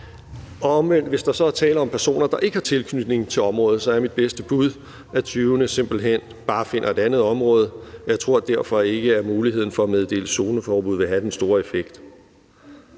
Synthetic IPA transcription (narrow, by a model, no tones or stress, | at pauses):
ɒ̽ɒ̽mʋen̰d̥ʋe̝sd̥ɑ̈sɒ̽æɐt͡sʰɛ̰ːlɐɒ̽mpʰæɐso̝̰ːnɐd̥ɑ̈ʔe̝ɡəhɑ̈t͡sʰe̝lkʰnyd̥ne̝ŋ̩t͡sʰe̝lɒ̽mʁɔ̽ːð̩ˠsɒ̽æɐmid̥̚b̥esd̥əb̥uðˠ | ʔæt͡sʰyːʊnəse̝m̰b̥l̩ɦen̰ | b̥ɑ̈ːfe̝n̰ʔɐe̝d̥ænð̩ˠɒ̽mʁɔ̽ːð̞ˠɒjɑ̈ɪt͡sʰʁo̝̰d̥æɐfɒ̽e̝ɡ̥əæɐmuːliheð̰ˠn̩fɒ̽æmeð̞ˠd̥e̝̰ːləso̝ːnəfɒːb̥uð̞̰ˠʋe̝ɦæd̥ensd̥o̝ːɐe̝feɡ̥d̥